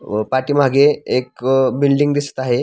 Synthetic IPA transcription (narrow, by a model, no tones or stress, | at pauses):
paʈiːm̤aɡeek̚bilɖiŋɡd̪ist̪aɦe